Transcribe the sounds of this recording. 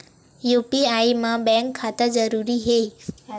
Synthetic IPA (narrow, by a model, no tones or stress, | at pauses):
jupiaimãbɛ̃ŋkʰːat̪əd͡zəɾuɾiɦe